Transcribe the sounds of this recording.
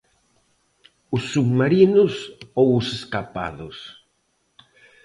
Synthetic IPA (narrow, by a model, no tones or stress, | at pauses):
ʊsːuɣmaɾinʊsowʊseskapa̰ðʊs